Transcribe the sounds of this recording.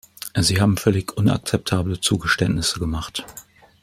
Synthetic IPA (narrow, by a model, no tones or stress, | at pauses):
ziːhaːbm̩fœlɪçʔʊna̰k̚t͡sɛp̚tʰaːblət͡suːɡəʃtɛntnɪsəɡəmaχt